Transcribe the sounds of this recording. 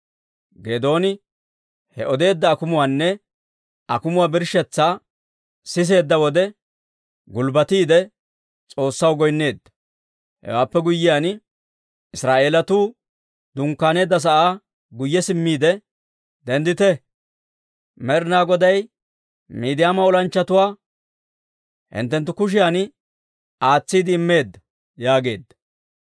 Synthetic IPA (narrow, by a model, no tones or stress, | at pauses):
ɡeːd̪o̞ːnɪ | hɛʔɔd̪e̞ːd̪ːɐːkʊmʊwaːnːɛ | ɐkʊmʊwaːbɪɾʃɛt͡sːaː | sɪs̬e̞ːd̪ːɐwɔd̪ɛ | ɡʊlbɐt̪iːd̪ɛ | t͡sʼo̞ːsːɐwɡɔjnːe̞ːd̪ːɐ̥ | hɛ̰waːpːɛɡʊjːɪjan | ɪsɾaːʔe̞ːlɐt̪uː | d̪ʊŋkːaːne̞ːd̪ːɐs̬ɐʔaː | ɡʊjːɛsɪmːiːd̪ɛ | d̪ɛnd̪ɪt̪ɛ | mɛɾnaːɡɔd̪ɐj | miːd̪ɪjaːmɐɔlɐnt͡ʃːɐt̪ʊwaː | hɪ̰nt̪ːɛnt̪ːʊkʊʃ̬ɪjan | aːt͡sːiːd̪ɪːmːe̞ːd̪ːɐ | jaːɡe̞ːd̪ːɐ̥